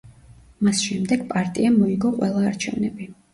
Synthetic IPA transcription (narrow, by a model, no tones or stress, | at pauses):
masʃɛmd̪ɛɡ̥pʼaɾt̪ʼiamɔiɡɔqʼwɛlˠaːɾt͡ʃʰɛvnɛbi